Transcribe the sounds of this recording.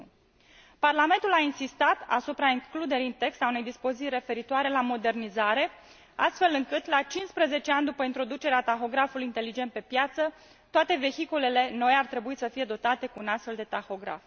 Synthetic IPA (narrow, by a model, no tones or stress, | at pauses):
parlame̞nt̪ulainsist̪at̪a̰supɾaiŋklud̪e̞ɾiɨnt̪e̞kst̪aune̞jd̪ispo̞ziire̞fe̞ɾit̪oaɾe̞lamo̞d̪e̞rnizaɾe̞ | a̰st̪fe̞lɨŋkɨt̪lat͡ʃinspɾeze̞t͡ʃeanʲd̪upəint̪ɾo̞d̪ut͡ʃe̞ɾeat̪axo̞ɡɾafulujint̪e̞lid͡ʒe̞nt̪̚pe̞pjat̪sə | t̪oat̪e̞ve̞çikule̞le̞no̞jart̪ɾe̞buisəfije̞d̪o̞t̪at̪e̞kuːnast̪fe̞ld̪e̞t̪axo̞ɡɾa̰f